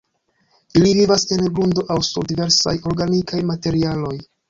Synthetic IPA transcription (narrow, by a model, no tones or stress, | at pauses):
ilivivase̞nɡlundo̞ʔawsuɾdive̞ɾsa̰jo̞ɾɡanikʰajmate̞ɾialo̞j